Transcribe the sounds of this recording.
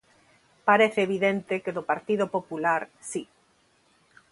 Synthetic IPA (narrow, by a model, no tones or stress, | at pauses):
paɾeθeeβiðent̪ekeðopaɾt̪iðopopulaɾsi